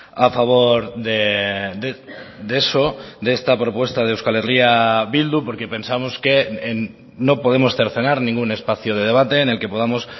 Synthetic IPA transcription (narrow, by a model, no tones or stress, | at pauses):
afaβ̞o̞ɾðeded̪esod̪eest̪apɾo̞pwest̪að̞ewskaleriaβild̪upo̞ɾke̞pe̞nsamoske̞ːnː | o̞po̞ð̞e̞mosθeɾθe̞naɾnĩŋɡune̞spaθjoð̞e̞ð̞e̞β̞at̪eːne̞lke̞po̞ð̞amo̞s